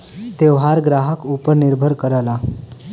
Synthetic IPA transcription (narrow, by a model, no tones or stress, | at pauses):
t̪eʋɦaɾɡɾaɦəkupəɾniɾbʱəɾkəɾala